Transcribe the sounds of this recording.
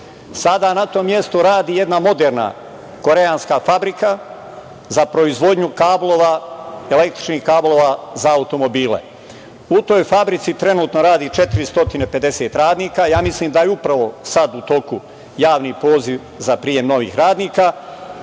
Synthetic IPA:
sad̪anat̪o̞mːje̞st̪oɾaːd̪iːje̞d̪namo̞d̪eːɾna̰ | ko̞ɾe̞aːnskafabɾika | zapɾo̞izʋo̞d̪ɲukaːblˠoʋaele̞k̚t̪ɾi̥t͡ʃniːhkaːblˠo̞ːʋazaːut̪o̞mo̞biːlḛ | ut̪o̞jfabɾit̪sit̪ɾe̞nuːt̪no̞ɾaːd̪iːt͡ʃe̞t̪iɾist̪o̞t̪ine̞pe̞d̪e̞seːt̪ɾaːd̪niːkajaːmisliːmd̪ajeupɾaʋo̞sad̪ut̪o̞ku | jaːʋniːpo̞ːziʋ | zapɾiːje̞mno̞ʋḭːxɾaːd̪niːka

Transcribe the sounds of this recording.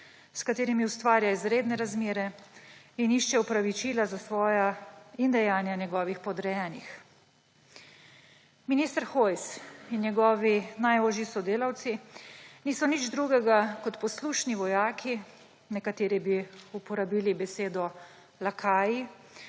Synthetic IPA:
skat̪eːɾimiust̪ʋaːɾjaizɾeːd̪nɛɾazmeːɾɛ | iniʃt͡ʃɛupɾaʋit͡ʃiːlazasʋɔːjaind̪ɛjaːnjanjɛɡɔːʋixpɔd̪ɾɛjɛːnix | minist̪ɾxojsinnjɛɡɔːʋinajoːʒisɔd̪eːlawt̪siniːsɔnid͡ʒd̪ɾuɡɛɡakɔt̪pɔsluʃniʋɔjaːkʰi | nɛkat̪eːɾibiupɔɾabiːlibɛseːd̪ɔ | lakʰaːji

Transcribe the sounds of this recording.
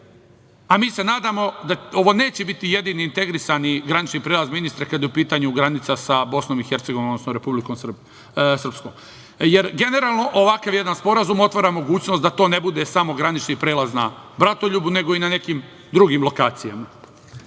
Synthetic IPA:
amiːse̞naːd̪amo̞d̪ao̞ʋo̞ne̞ːt͡ɕebit̪ije̞d̪iniːnt̪e̞ɡɾisaniɡɾanit͡ʃnipɾeːlazminist̪ɾakad̪jeupiːt̪aɲuɡɾanit̪sasabo̞sno̞mixe̞ɾt̪seɡoʋinod̪nosnoɾe̞publikom | sr̩pskoːm | je̞ɾɡe̞ne̞ɾaːlˠno̞ʔoʋakaʋje̞d̪anspo̞ɾazumo̞t̪ʋoɾamo̞ɡuːt͡ɕnost̪d̪at̪o̞ne̞bud̪esamo̞ɡɾanit͡ʃnipɾe̞ːlˠaznabɾat̪o̞ʎubune̞ɡo̞inane̞kim | d̪ɾuɡimlˠo̞kaːt̪sijama

